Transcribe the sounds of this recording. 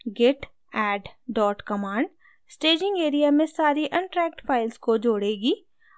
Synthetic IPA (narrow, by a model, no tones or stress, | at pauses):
ɡeʈ | ɛːɖɖɔːʈkɐmaːɳɖ | sʈeːd͡ʒɪ̃ŋɡeːɾijamẽsaːɾiʔɐ̃ɳʈɾɛːk̚ʈpʰaːɪlskod͡ʒoːɽeːɡiː